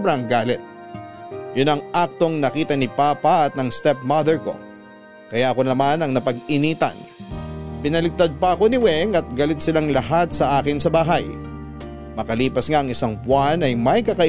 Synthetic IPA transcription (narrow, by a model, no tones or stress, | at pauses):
bɾɐŋɡaːlɪt̪̚ | jʊnɐŋʔak̚t̪o̞ŋnɐkiːt̪ɐnɪpaːpaʔɐt̪̚nɐŋst̪ɛp̚mɐd̪ɛɹko̞̰ | kɐjaʔɐko̞nɐmanɐŋnɐpɐɡɪniːt̪ɐ̰n | pɪnɐlɪɡ̚t̪ad̪̚pɐʔɐko̞nɪwɛŋɐt̪̚ɡɐlɪt̪̚sɪlaŋlɐɦat̪̚sɐʔaːkɪnsɐbaːɦɐj | mɐkɐliːpɐsŋaɐŋɪsaŋbwanɐjmɐjkɐkɐʔɪ